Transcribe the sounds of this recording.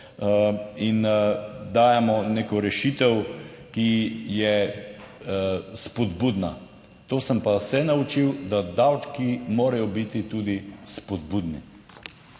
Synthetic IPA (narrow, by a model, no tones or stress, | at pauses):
ind̪aːjamɔneːkɔɾɛʃit̪ɛw | kijɛ | spɔd̪buːd̪na | t̪oːsəmpasɛnaut͡ʃiwd̪ad̪awt͡ʃkimoːɾajɔbit̪it̪ud̪ispɔd̪bud̪nḭ